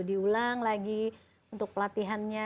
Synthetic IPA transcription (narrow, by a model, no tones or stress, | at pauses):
diulaŋlaɡi | unt̪ʊk̚plat̪iɦanɲa